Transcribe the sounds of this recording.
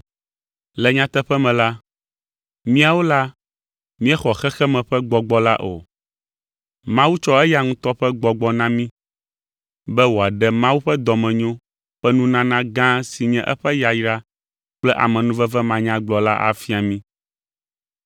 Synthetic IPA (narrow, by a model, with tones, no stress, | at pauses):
lɛ˨ɲã˦t̪ɛ˦ɸɛ˦mɛ̃˨la˦ | mĩ˦a˨wo˦la˦ | mĩ˦ɛ˦xɔ˨xɛ˦xɛ˦mɛ̃˨ɸɛ˦ɡ͡bɔ˨ɡ͡bɔ˦la̰˦ʔo̰˨ | mã˦wu˦t͡ʃɔ˦ɛ˦ja˨ŋũ˦t̪ɔ˦ɸɛ˦ɡ͡bɔ˨ɡ͡bɔ˨nã˦mĩ˦ | bɛ˦wo˨a˨ɖɛ˦mã˦wu˦ɸɛ˦d̪ɔ˨mɛ̃˨ɲɔ̃˦ | ɸɛ˦nũ˦nã˦nã˦ɡã˦si˨ɲɛ̃˦ʔɛ̰˦ɸɛ˦ja˨ji˨˦ɖa˦ | k͡plɛ˦ʔa̰˨mɛ̃˨nũ˦vɛ˦vɛ˦mã˨ɲã˦ɡ͡blɔ˨la˦ʔa̰˨fi˦a˨mĩ˦